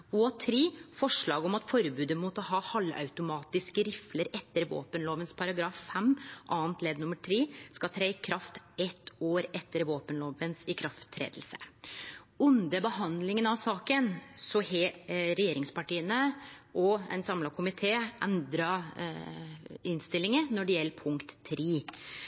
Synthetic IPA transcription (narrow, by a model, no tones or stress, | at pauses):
ɔɑt̪ʰɾiːfɔʂɭɑːɡɔmɑt̪fɔɾbʉːd̪əmuːt̪ɔhɑːhɑlːɑ̰ʉt̪ʊmɑːt̪ɪskəɾɪfləɾɛt̪ːəɾʋo̰ːpənloːʋənspʰɑɾɑɡɾɑːfːɛmʔɑːənt̪leːd̪nʊməʈʰɾeːskɑt̪ʰɾɛɪkʰɾɑft̪ɛt̪ːoːɾɛt̪ːəɾʋoːpənloːʋənsɪkʰɾɑft̪ʰːɾḛːd̪l̩sə̥ | ʉnd̪əbəhɑnd̪lɪŋənɑʋsɑːkənsɔheːɾɛjeːɾɪŋspɑʈiːənəʔɔɛ̰nsɑmlɑkʰʊmɪt̪ʰeːʔɛnd̪ɾɑ | ɪnst̪ɪlːɪŋənɔɖɛjɛlːəpʰʊŋkt̪ʰːɾeː